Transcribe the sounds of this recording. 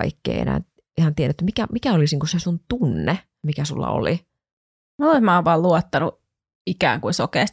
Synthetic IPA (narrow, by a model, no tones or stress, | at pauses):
ɑikːḛːḛnæ̰ːn | ihɑnt̪ieɾʔæt̪ːymikæmikæolisniːŋkusesunt̪unːe | mikæsulːɑ̰o̰li | moleismɑːʋʋɑːlluɔt̪ːɑnu | ikæ̰ːŋkuisokeːs